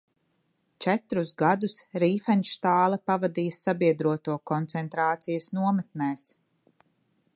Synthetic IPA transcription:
t͡ʃɛt̪ɾuzɡad̪usɾiːfɛnʃt̪aːlˠɐpavad̪ijɐsabiɛd̪ɾuɔt̪uɔkɔnt̪sɛnt̪ɾaːt̪sijɐsnuɔmɛt̪̚nɛːs

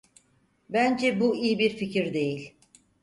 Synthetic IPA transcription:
bænd͡ʒɛbuijibiɾficʰiɾd̪e̞jilʲ

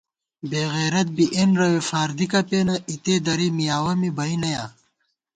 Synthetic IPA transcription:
beːɣeːɾɐt̪̚biʔenɾɐwefaːɾd̪ikɐpeːnɐʔit̪ed̪ɐɾimijaːwɐmibɐinɐjaː

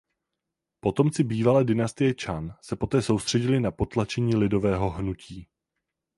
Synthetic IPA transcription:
po̞t̪o̞mt͡sɪbiːvalɛːdɪnast̪ɪjɛt͡ʃansɛpo̞t̪ɛːso̞wst̪r̝̥ɛɟɪlɪnapo̞t̪lat͡ʃɛɲiːlɪdo̞vɛːɦo̞ɦnuciː

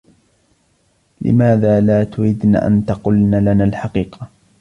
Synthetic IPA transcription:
lɪ̰maːðaːlaːt̪ʊɾid̪na̰ːʔa̰nt̪ɑqʊlnaːlanaːlħɑqiːqɑ

